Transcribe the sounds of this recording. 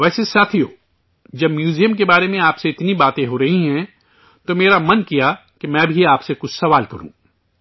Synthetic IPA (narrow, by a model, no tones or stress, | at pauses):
ʋɛːsesaːt̪ʰijoː | d͡ʒɐbmjuːzijəmkebaːɾemẽaːpseɪt̪nibaːt̪ẽɦoɾɐɦiɦɛ̃ | t̪omeːɾamɐnkija | kemɛ̃ːbʱiaːpsekʊt͡ʃʰsɐʋaːlkɐɾṵ̃ː